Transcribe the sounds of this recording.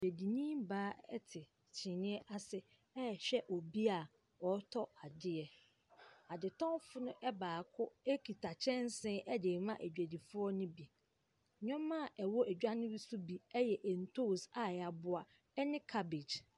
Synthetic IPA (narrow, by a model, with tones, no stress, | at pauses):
e˨æ˨di˨nĩ˦mbaː˦ɛ̰˦tʰɪ˨ | t͡ɕʰɪ̃˨nɪ̃˦ɛ˦ʔa˦sɪ˦ | ɛ˦˨ɕᶣɛ˦ʔɔ˨bi˦a˨ | ɔ˨˦tʰɔ˦a˨dɪ˦ɛ˨ | a˨dɪ˨tʰɔ̃˦fʊ˦nʊ̃˦ʔɛ˦baː˨kʰʊ˦e˦kʰi˨tʰa˨t͡ɕʰɛ̃˦n˦sɪ̃˦ʔɛ˦de˨mã˦ʔæ˨d͡ʑᶣæ˨di˨fʊ˦ɔ˦nʊ̃˦bi˨ | ɲᶣɔ̃˦mːã˦˨ʔɛ˨wɔ˦ʔæ˨d͡ʑᶣa˦nɪ̃˦ɾi˦su˦bi˨ɛ˦jɛ˨ʔɛ˨n̩˨tʰo˦˨sa˨a˨bʊ˦a˨ | ɛ˦nɪ̃˦kʰa˦be˨d͡ʑ